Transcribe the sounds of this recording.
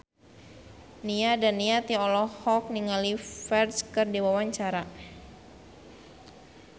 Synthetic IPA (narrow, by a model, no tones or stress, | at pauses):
niadanːiat̪iɔlɔhɔk̚niŋalifɛrskɨrdiwawaɲt͡ʃaɾa